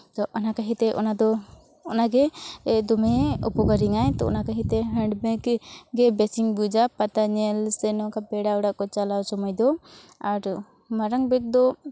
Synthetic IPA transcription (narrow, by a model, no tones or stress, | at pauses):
t̪ɔʔɔnakaɦit̪ɛʔɔ̰nad̪ɔ | ɔnaɡɛd̪ɔmɛɔ̰pɔɡaɾiŋajt̪ɔʔɔ̰nakaɦit̪ɛɦəɳɖbɛkɡɛbɛsiŋbud͡ʒapat̪aɲɛlsɛnɔkabɛɽauɽaʔkɔt͡ʃalawsɔmɔjd̪ɔ | aɾ | maɾaŋbɛk̚d̪ɔ